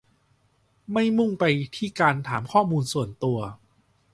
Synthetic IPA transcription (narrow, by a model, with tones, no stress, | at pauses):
ma˥˩jmu˥˩ŋpa˧jt̪ʰiː˥˩kaː˧nt̪ʰa̰ː˩˦mkʰɔː˥˩muː˧nsu˨˩ənt̪u˧ɐ